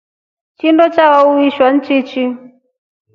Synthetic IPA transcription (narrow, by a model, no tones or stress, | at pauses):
t͡ʃindɔt͡ʃawauiʃwan̩t͡ʃit͡ʃi